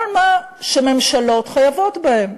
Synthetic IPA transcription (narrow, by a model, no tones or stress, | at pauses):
ma | ʃeme̞mʃalo̞tχajavo̞tbahe̞m